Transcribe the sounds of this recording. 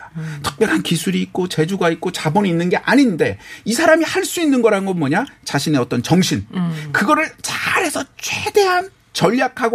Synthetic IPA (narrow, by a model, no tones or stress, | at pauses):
atʰɯ̥k̚pjʌɾɦankisʰuɾiːt̚k͈ot͡ɕe̞d͡ʑuɡait̚k͈ot͡ɕabʌniːnːɯnɡe̞ʔaɲinde̞isʰaɾamihaɭs͈uinːɯnɡʌɾanɡʌnmʌɲat͡ɕaɕʰine̞ʌt͈ʌnt͡ɕʌŋɕʰinkɯɡʌɾɯɭt͡ɕaɾe̞sʰʌt͡ɕʰwed̥e̞ɦan | t͡ɕʌʎːakʰaɡo